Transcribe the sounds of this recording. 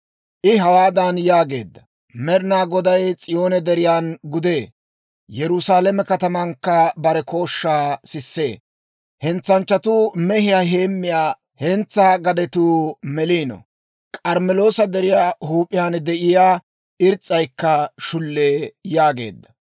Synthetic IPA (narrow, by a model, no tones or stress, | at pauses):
ʔɪɦɐwaːd̪ɐnjaːɡe̞̰ːd̪ːɐ | mɛɾnaːɡɔd̪ɐjt͡sʼɪjo̞ːnɛd̪ɛɾɪjaːnɡʊd̪eː | jɛɾʊsaːlɛmɛkɐt̪ɐmɐŋkːɐbɐɾɛko̞ːʃːaːsɪsːḛː | hɛnt͡sːɐnt͡ʃːɐt̪ʊmɛhɪjaːɦe̞ːmːɪjaː | hɛnt͡sːaːɡɐd̪ɛt̪uːmɛliːnɔ̰ | kʼɐɾmɛlo̞ːsɐd̪ɛɾɪjaːhuːpʼːɪjaːnd̪ɛʔɪjaː | ʔɪɾt͡sʼːɐjkːɐʃʊlːe̞ːjaːɡe̞̰ːd̪ːɐ